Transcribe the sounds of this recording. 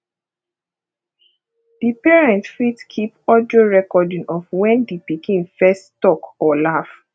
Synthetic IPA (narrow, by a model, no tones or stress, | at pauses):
d̥ipɛɹɛ̃ntfitkʰipɔdioɹɛkɔdĩnʔɔfwɛ̃ndipikʰĩnfɛsttɔkɔlaf